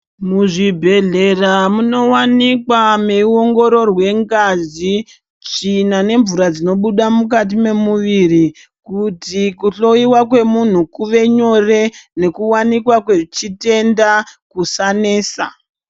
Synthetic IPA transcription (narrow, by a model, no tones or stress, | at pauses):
muʐibʱe̞ɮe̞ramuno̞wanikwame̞uo̞ŋɡo̞ɾo̞rwe̞ŋɡazi | t͡ʃinane̞ɱvuɾad͡zino̞ɓuɗamuk̬at̬ime̞muʋiri | kutikuɬo̞iwakwe̞mun̤ukuʋe̞ɲo̞re̞ne̞kuwanikwakwe̞t͡ʃite̞ndakusaneːsa̰